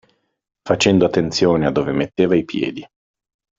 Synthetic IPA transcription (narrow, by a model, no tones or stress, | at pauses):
fat͡ʃɛnd̪oat̪ːent̪sjoːnead̪ːoːvemet̪ːeːvaipjɛ̰ːd̪i